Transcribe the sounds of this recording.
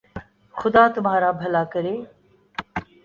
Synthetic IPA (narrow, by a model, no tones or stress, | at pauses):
xʊd̪aːt̪ʊm̤aːɾaːbʱɐlaːkəɾeː